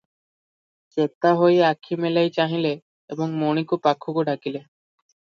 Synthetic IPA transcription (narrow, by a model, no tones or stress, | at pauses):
t͡ɕet̪ːaɦojakʰːimelajt͡ɕaɦile | eboŋmoñikupakʰːukoɖʱakile